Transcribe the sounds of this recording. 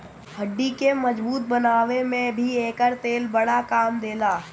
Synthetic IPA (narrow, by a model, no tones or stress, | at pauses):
həɖːikeməd͡ʒbuːt̪̚bənaːʋemẽbʱieːkəɾt̪eːlbəɽakaːmd̪eːlaː